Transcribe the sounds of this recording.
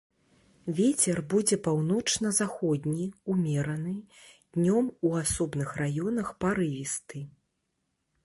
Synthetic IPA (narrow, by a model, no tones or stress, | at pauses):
vʲɛt͡sʲɛrbud͡zʲɛpawn̪ɔt͡ʂnɐzaxɔd̪ʲnʲiumʲɛɾɐnɨd̪̥ʲnʲɔmuasɔbnɨxrajɔnɐxpaɾɨvʲist̪ɨ